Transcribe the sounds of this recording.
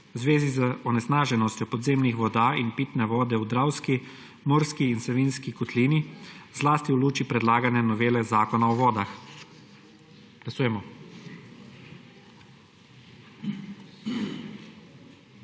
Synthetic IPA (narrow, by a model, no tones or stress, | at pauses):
wzʋeːzizəɔnɛsnaːʒɛnɔst̪jɔpɔd̪zeːmnixʋɔd̪aːinpiːt̪nɛʋɔːd̪ɛud̪ɾawski | mɔːɾskiːnsɛʋinskikɔt̪liːnizlaːst̪iuluːt͡ʃipɾɛd̪laːɡanɛnɔʋeːlɛzaːkɔnaɔʋɔːd̪ax | ɡ̥lasuːjɛmɔ